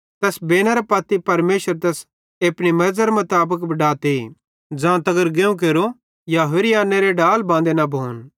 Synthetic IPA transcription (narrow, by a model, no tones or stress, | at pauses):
t̪ɛsbeːñaɾɐpɐt̪ːipɐɾmeːʃəɾt̪ɛs | eːpɽimɐɾzəɾemɐt̪aːbəkbɐɖaːt̪eḭ | d͡ʒãːt̪ɐɡəɾɡeːũk̬eːɾo | jaɦɪɾiãːnːeɾeɖaːlbãːnd̪enɐbʱoːn